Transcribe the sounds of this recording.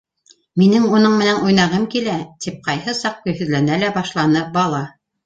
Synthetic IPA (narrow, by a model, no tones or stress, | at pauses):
minɘŋunɤɴmɘ̆nænʔujnɑʁɤmkilæt̪ʰip̚qɑjhɤsɑq̚kɵ̆jhɵ̆ðlænælæbɑʃlˠɑnɤbɑlˠɑ